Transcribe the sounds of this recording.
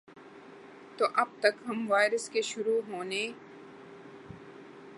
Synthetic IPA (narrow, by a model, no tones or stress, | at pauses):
t̪oʔɐb̚t̪ɐkɦɐmʋaːɪɾəskeʃʊɾuːɦoːneː